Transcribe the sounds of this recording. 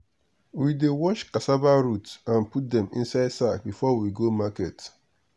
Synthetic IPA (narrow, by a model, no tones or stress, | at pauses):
widewɔt͡ʃkasabaɾutãnput̚dɛ̃mḭ̃n̩saɪdsak̚bifɔwiɡomaket